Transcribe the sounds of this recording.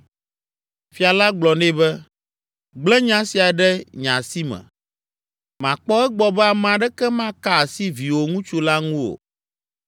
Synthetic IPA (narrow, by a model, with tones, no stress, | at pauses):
fi˨a˨la˦ɡ͡blɔ˨nẽ˦bɛ˦ | ɡ͡blɛ˦ɲã˦si˨a˨ɖɛ˦ɲã̰˨si˦mɛ̰̃˨ | mã˨k͡pɔ˦ɛ˦ɡ͡bɔ˨bɛ˦a˨m̃˨ã˨ɖɛ˦kɛ˦mã˦ka˦˨si˦vi˨wo˨ŋũ˦t͡ʃu˦la˦ŋũ˦wo̰˨